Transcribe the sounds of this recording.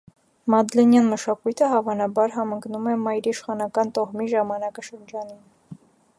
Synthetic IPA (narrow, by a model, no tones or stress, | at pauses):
mɑd̪lɛnjɑnməʃɑkujt̪ʰəɦɑvɑnɑbɑɾɦɑməŋknumɛmɑjɾiʃχɑnɑkɑnt̪ɔʁmiʒɑmɑnɑkɑʃəɾd͡ʒɑnin